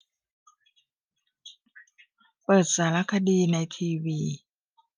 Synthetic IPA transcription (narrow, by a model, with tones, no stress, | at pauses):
pɤː˨˩t̪̚saː˩˦ɾa˦˥kʰa˧diː˧na˧jt̪ʰiː˧wiː˧